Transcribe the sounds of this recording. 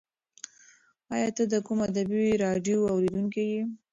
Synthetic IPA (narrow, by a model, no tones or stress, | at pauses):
ɑjɑt̪əd̪əkumad̪abiɾɑɖjoawɾed̪uŋkeji